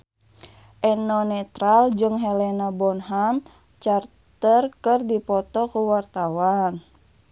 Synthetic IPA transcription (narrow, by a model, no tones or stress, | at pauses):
ʔɛnɔnɛt̪ɾald͡ʒɨŋɦɛlɛnabɔnɦam | t͡ʃar | t̪ərkɨrdipɔt̪ɔkuwart̪awan